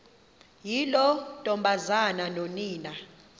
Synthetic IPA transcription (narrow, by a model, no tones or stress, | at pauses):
jilɔtʼɔmbʱazananoniːna